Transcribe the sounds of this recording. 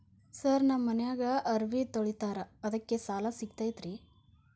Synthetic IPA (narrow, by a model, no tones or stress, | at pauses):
sɐɾnɐmmːɐnɐjaːɡɐʔɐɾʋit̪oɭit̪aːɾɐɐd̪ɐkːesaːlɐsikt̪aːjt̪ɾi